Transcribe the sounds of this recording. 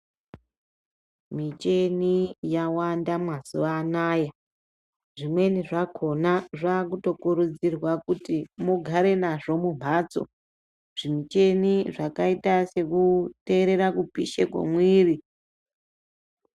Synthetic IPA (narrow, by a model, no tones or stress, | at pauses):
mit͡ʃe̞nijawandamŋazuʋaːnaːja | ʐimwe̞niʐakʰonaʐaːkuto̞kuɾud͡zirwakutimuɡʱaɾe̞naʐo̞mumʱaːt͡so̞̰ | ʐ̥imit͡ʃe̞niʐakaitase̞kute̞ɾe̞ɾakupiʃekwḛmwiːri